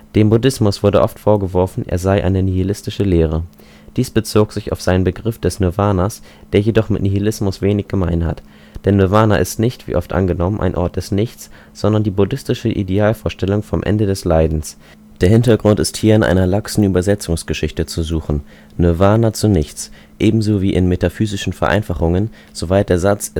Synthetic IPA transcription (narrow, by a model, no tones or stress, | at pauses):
d̥eːmbʊdɪsmʊsv̥ʊɐdəʔɔftfoːɐɡəvɔɐfn̩ʔḛːɐzaɪʔa̰ɪnəniilɪstɪʃəleːʁ̞ə | d̥iːsb̥ət͡soːkz̥ɪça̰ʊfz̥aɪnənbəɡʁɪfd̥ɛsnɔvaːnas | d̥eːɐjedɔχmɪtniilɪsmʊsv̥eːnɪçɡ̥əmaɪnha̰t | d̥ɛnːøvaːnaʔɪstnɪçtv̥ḭːʔɔftʔa̰nɡənɔmənʔa̰ɪnʔɔɐt̚d̥ɛsnɪçt͡s | z̥ɔndɐndiːbʊdɪstɪʃəʔḭdeaːlfoːɐʃtɛlʊŋfɔmʔɛ̰ndədɛslaɪdn̩s | d̥eːɐhɪntɐɡʁʊntɪsthiːɐɪnʔa̰ɪnɐlaksn̩ʔyːbɐzɛt͡sʊŋsɡ̥əʃɪçtət͡suzuːχn̩ | nøvaːnat͡sunɪçt͡s | ʔeːbm̩zoːviːʔɪnmetafyːzɪʃn̩fɛɐʔa̰ɪnfaχʊŋən | z̥ovaɪt̚d̥eːɐzat͡s